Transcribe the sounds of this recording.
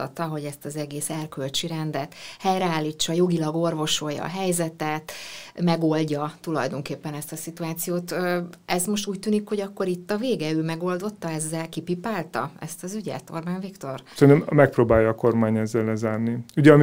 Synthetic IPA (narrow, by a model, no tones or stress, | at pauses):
ɒ̰t̪ɒɦo̞ɟɛst̪ɒzɛɡeːsɛrkølt͡ʃiɾɛnd̪ɛt̪hɛjrɛaːlːiːt͡ʃːɒjo̞ɡilɒɡo̞rvo̞ʃo̞jːɒ̰ɦɛjzɛt̪ɛt̪mɛɡo̞lɟɒt̪ulɒ̰jd̪o̞ŋkeːpːɛnɛst̪ɒsit̪uaːt̪sijoːt̪ɛzmo̞ʃt̪uːc̚t̪yːnikho̞ɟɒkːo̞ɾit̪ːɒveːɡɛøːmɛɡo̞ld̪o̞t̪ːɒɛzːɛlkipipaːlt̪ɒ̰ɛ̰st̪ɒzyɟɛ̰t̪o̞̰rbaɱvikt̪o̞rsɛnømmɛk̚proːbaːjːɒːko̞rmaːɲɛzːɛlːɛzaːrniyɟɛɒm